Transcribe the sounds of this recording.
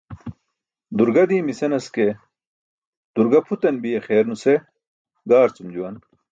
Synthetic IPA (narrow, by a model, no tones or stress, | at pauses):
d̪uɾɡɐd̪iːmisenɐske | d̪̥uɾɡɐpʰut̪ɐnbijɐxeːɾnuse | ɡaːɾt͡sumd͡ʑuwɐn